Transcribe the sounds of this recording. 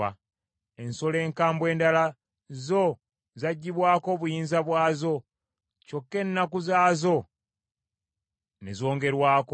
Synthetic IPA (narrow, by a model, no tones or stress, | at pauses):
a | e̞nso̞le̞ːŋkaːmbwe̞ːndala | zo̞ | zaɟːiβwaːko̞βujiːnzaβwaːzo̞ | co̞kːe̞nːakuzaːzo̞ | nezo̞ːŋɡe̞ɾwaːko